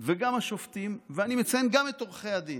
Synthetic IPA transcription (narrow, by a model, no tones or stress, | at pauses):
veɡamaʃoft̪imveanimet͡sajenɡamet̪oʁχejad̪in